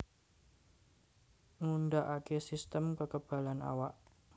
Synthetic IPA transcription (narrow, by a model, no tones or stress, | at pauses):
ŋundaʔakesist̪əmkəkəb̥a̤lana̰waʔ